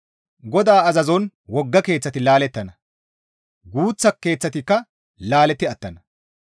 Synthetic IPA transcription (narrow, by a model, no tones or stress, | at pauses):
ɡɔd̪aːɐzɐzɔn | wɔɡːɐke̞ːt͡sːɐt̪ɪlaːlɛt̪ːɐnɐ | ɡuːt͡sːɐkːe̞ːt͡sːɐt̪ɪkːɐ | laːlɛt̪ːɪɐt̪ːɐnɐ